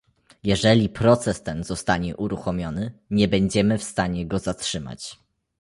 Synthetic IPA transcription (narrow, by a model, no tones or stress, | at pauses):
jɛʐɛlʲipɾɔt̪sɛst̪ɛnz̥ɔst̪aɲɛʔuɾuxɔmʲjɔnɘɲɛbɛɲd͡ʑɛmɘfst̪aɲɛɡɔzatʂɘma̰t͡ɕ